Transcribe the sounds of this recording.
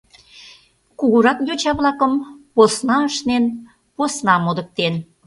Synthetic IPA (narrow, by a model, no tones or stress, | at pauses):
kuɣuɾɑkjot͡ɕɑβlɑkəmposnɑəʃnen | posnɑmod̪ə̆k̚t̪en